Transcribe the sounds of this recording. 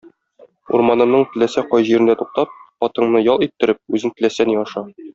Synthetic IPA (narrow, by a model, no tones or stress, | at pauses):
ṵɾmɑnɤ̆mnɤɴt̪ɘ̆læsæqɒjʑiɾɘ̆nd̪æt̪uq̚t̪ɑp̚χɒt̪ɤ̆ɴnɤjɒlˠit̪ːɘ̆ɾɘp̚ʉzɘŋt̪ɘ̆læsæniɒʃɑ